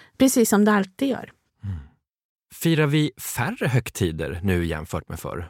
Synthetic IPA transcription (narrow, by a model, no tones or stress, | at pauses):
pʰɾɛsiːsːɔmd̪ɛalt̪iːɡd̪jœ̰ːɾ | fiːɾaɾvɪfærəɦœkt̪ʰiːd̪ə̰ɾnʉ̟ːjɛ̰mfœːʈmɛ̰fœ̰ɾ